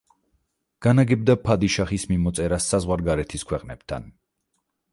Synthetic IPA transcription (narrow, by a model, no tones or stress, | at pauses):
ɡ̥anaɡɛbd̪apʰad̪iʃaχismimɔt̪sʼɛɾasːazʁwaɾɡaɾɛt̪ʰiskʰwɛqʼnɛp̚t̪ʰa̰n